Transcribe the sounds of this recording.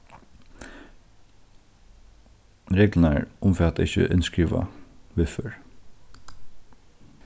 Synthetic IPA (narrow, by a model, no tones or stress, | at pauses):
ɾeːɡlənæɹʊmfɛɑt̪ːɪçə̰ʔʏnskɹiːʋa̰ʋɪfœɹ